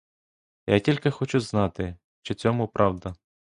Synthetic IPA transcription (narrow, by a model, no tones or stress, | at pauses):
ja̰tʲilʲkɪxɔt͡ʃuznɑt̪ɪ | t͡ʃɪt͡sʲɔmʊpɾʔɑwd̪ɐ